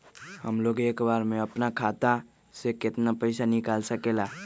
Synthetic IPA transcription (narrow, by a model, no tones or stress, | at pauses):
həmloɡekbaɾmeəpnakʰat̪a | seket̪napəɪsanikalsəkela